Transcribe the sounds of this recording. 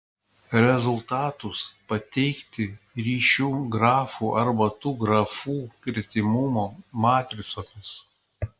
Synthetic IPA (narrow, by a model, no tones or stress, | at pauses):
ɾʲɛzʊlˠt̪ɑːt̪ʊspɐt̪ʲɛɪkt̪ʲɪ | ɾʲiːʃʲuːɡɾɑːfuːʔɐɾbɐt̪uːɡɾɐfuːkʲɪɾʲt̪ʲɪmʊmoːmɑːt̪ʲɾʲɪsoːmʲɪs